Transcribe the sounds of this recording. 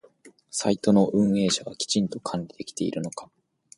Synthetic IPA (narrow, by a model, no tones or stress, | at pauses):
sait̪o̞no̞ʔɯ̟̃ɰ̃e̞ːɕaβakʲi̥t͡ɕĩnt̪o̞kʰãɲʲɾʲid̪e̞kʲi̥t̪e̞ḭɾɯ̟no̞kḁ